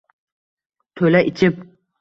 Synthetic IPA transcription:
t̪ʰɵlaʔɪt͡ʃʰɪp̚

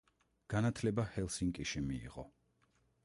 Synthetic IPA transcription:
ɡ̥anat̪ʰlɛbahɛlˠsiŋkʼiʃimḭːʁɔ̰

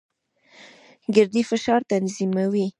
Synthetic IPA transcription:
ɡɪɾd̪ifɪʃɑɾt̪anzimawi

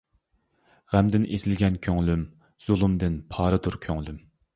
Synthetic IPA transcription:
ʁæmd̪ɪnezɪlɡʲɛnkʲʰøŋlym | z̥ulˠumd̪ɪnpʰɑːɾɨt̪ʰuɾkʲʰøŋlym

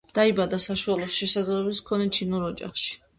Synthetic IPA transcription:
d̪̥aibad̪asaʃualˠɔsʃɛsazɾɛbiskʰɔnɛt͡ʃʰinuɾɔd͡ʒa̰χʃi̥

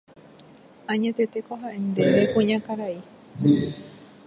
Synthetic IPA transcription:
ʔaɲat̪et̪ekoɦaend̪eʔekuɲakaɾai

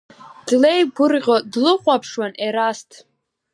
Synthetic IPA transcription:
d̥lejbʊrqʲʼodlɨqʷʼapʰʂwanʔeɾastʰ

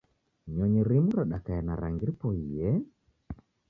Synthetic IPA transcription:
ɲɔɲiɾimuɾaɗakaɛnaɾa̰ŋɡiɾipɔijɛ

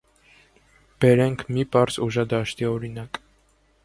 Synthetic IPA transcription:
b̥ɛɾɛŋkʰmipʼɑɾsuʒɑd̪ɑʃt̪iɔɾinɑkʼ

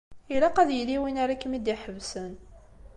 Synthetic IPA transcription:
ilæqæðjəliwinaɾakːmid̪iħəvsən

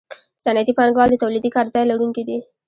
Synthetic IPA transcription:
sanat̪ipanɡɑld̪ət̪awlid̪ikɑɾzɑjlaɽunked̪i

